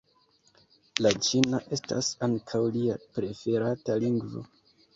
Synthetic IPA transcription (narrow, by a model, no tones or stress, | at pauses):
lat͡ʃinaʔe̞sta̰saŋkʰawliapɾe̞fe̞ɾataliŋɡvo̰